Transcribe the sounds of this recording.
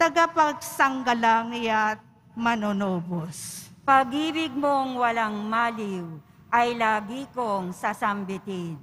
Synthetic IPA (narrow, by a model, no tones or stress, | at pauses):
t̪ɐɡapɐɡ̚sɐŋɡɐlaŋnɪjat̪̚ | mɐnonoːbospɐɡiːbɪɡ̚moŋwɐlaŋmaːliw | ʔɐjlaːɡikoŋsɐsɐmbɪt̪id̪